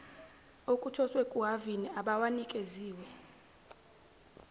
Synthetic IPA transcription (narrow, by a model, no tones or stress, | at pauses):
okʼutʰɔswɛkʼuɦaviniaɓawanikʼeziːwɛ